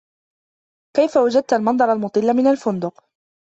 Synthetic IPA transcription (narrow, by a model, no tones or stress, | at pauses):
kajfawad͡ʒad̪̚t̪almɑnd̪ˤɑɾˤalmʊt̪ˤɨlːamɪnalfʊnd̪ʊq